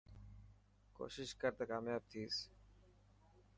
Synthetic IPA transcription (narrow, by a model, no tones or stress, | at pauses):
ko̰ːʃɪʃkəɾt̪akaːmjaːb̚t̪ʰiːs